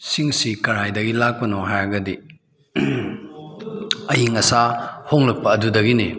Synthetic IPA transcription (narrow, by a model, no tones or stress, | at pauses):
siŋsikɐɾajdɐɡilak̚pɐnɔɦajɐɡɐdi | ɐjiŋɐsahoŋlɐk̚pɐːdudɐɡini